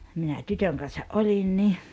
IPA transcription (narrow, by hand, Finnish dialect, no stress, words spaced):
minæ tytøŋ kɑnsɑʔ ʔolin ni